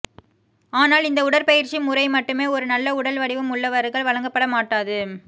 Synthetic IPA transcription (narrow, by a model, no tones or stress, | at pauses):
aːnaːlɪnd̪ɐʊɽɐɾpɐjɪɾt͡ʃimʊɾɐɪmɐʈːɯmeːɔɾɯnɐlːɐʊɽɐlʋɐɽɪʋɐmʊɭːɐʋɐɾɯɣɐɭʋɐɭɐŋɡɐpːɐɽɐmaːʈːaːðɯ